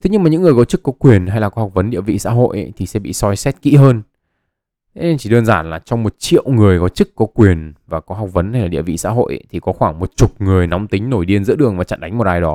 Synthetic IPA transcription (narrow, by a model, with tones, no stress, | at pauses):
t̪ʰe˨˦ɲɨ˧maː˨˩ɲɨ̰˧˥ŋɨ˨˩ə˩kɔ˨˦t͡ɕɨ˦˥kːɔ˨˦kwi˨˩ənha˧jlaː˨˩kɔ˨˦ha˨˩wk͡p̚və˨˦nɗḭ˧˨əvḭ˧˨sa̰ː˧˥ɦo̰˧˨jʔt̪ʰi˨˩sɛ̰˧˥ɓḭ˧˨sɔ˧jsɛ˦˥t̚kḭ˧˥ɦəː˧nʰ | e˨˦ɲ˧t͡ɕi˧˩ɗəː˧nzaː˧˩nlaː˨˩t͡ɕɔ˧wŋ͡mmo˨˩t̚t͡ɕḭ˧˨əwŋɨ˨˩əjkɔ˨˦t͡ɕɨ˦˥kkɔ˨˦kwi˨˩ənvaː˨˩kɔ˨˦ɦa˨˩wk͡p̚və˨˦nha˧jlaː˨˩ɗḭ˧˨əvḭ˧˨sa̰ː˧˥ɦo̰˧˨jʔt̪ʰi˨˩kɔ˨˦xwaː˧˩ŋmo˨˩t̚t͡ɕu˨˩t̚ŋɨ˨˩əjnɔ˨˦wŋ͡mt̪ï˨˦ŋ̟no˧˩jɗi˧ənzɨ̰˧˥ɗɨ˨˩əŋvaː˨˩t͡ɕa̰˧˨nɗa˨˦ŋ̟mo˨˩t̚ʔaː˧jɗɔ˨˦